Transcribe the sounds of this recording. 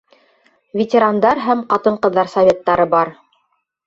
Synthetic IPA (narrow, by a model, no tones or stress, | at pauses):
vʲetʲɪɾand̪ɑɾɦæmqɑt̪ɤɴqɤ̆ðːɑɾsɐvʲet̪ːɑɾɤbɑɾ